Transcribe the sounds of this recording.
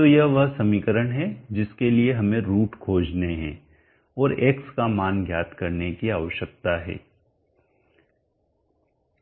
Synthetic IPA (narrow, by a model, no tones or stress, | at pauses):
t̪ojɐɦʋɐɦsɐmiːkəɾəɽ̃ɦɛd͡ʒɪskelieɦɐmẽɾuːʈkʰoːd͡ʒneɦɛ̰̃ː | ɔːɾeːkskamaːnɡʱjaːt̪kɐɾnekiaːʋəʃjək̚t̪aɦɛ̰ː